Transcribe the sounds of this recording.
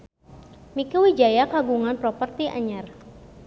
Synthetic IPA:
mikawid͡ʒajakaɡuŋanpɾɔpərt̪iʔa̰ɲar

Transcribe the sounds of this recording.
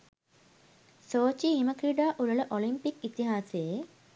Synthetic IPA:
soːt͡ɕiɦimɐkɾiɖaːʔuɻɐɭɐʔolimpikit̪iɦaːseje

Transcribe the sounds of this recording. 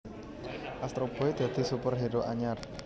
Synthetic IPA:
ʔast̪ɾob̥o̤ed̪̥ä̤d̪̥i̤supərɦeɾoʔaɲar

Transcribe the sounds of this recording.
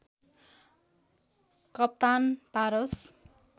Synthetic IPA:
kʌp̚t̪anpaɾʌs

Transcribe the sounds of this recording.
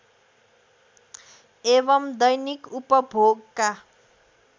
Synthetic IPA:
ebʌmd̪ʌjnikupʌbʱoɡka

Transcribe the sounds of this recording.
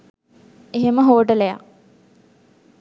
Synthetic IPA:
eɦeməɦoːʈəleja̰

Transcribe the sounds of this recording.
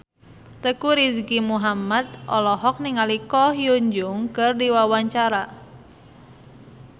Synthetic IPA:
t̪əkuɾisɡimuɦamat̪̚ʔɔlɔɦɔk̚niŋalikɔhjuɲd͡ʒʊŋkɨrdiwawaɲt͡ʃaɾa

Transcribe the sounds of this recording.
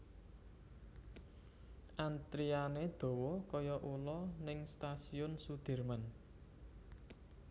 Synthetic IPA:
ʔant̪ɾianed̪̥o̤wɔkɔjɔʔulɔnɪŋst̪asiʊnsud̪̥i̤rmən

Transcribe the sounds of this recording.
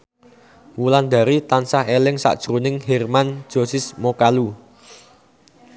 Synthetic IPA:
wuland̪a̤ɾit̪ansahelɪŋsa̰ʔd̥ʒ̥ɾunɪŋhɛrman̥d͡ʒ̥o̤sɪsmokalu

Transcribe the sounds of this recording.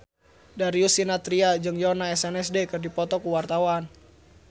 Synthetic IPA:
daɾiusinat̪ɾiad͡ʒɨŋjɔnaɛsɛnɛsdekərdipɔt̪ɔkuwart̪awan

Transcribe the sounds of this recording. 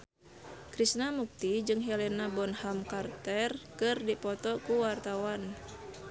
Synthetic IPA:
kɾisnamuk̚t̪id͡ʒɨŋɦɛlɛnabɔnhamkart̪ɛrkɨrdipɔt̪ɔkuwart̪awan

